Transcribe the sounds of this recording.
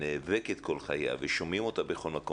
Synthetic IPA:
neːveket̪ko̞lχaja̰veʃo̞mimo̞t̪abeχo̞lmako

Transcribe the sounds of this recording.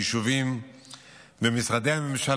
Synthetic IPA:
ʃuvim | bemisʁad̪ehame̞mʃal

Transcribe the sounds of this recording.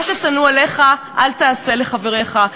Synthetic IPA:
ʃesanualeχaʔalt̪aːse̞leχaveʁe̞χa

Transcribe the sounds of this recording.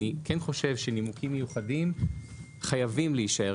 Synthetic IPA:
ikɛnχo̞ʃe̞vʃenimukʰimːejuχadim | χajavimleiʃae

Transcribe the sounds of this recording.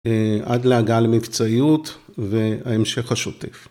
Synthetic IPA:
ʔa̰dleaɡalmikt͡saiutveaemʃe̞χhaʃot̪ef

